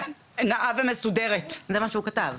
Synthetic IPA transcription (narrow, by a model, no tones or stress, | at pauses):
naʔavemesudeʁet̪zemaʃeukat̪av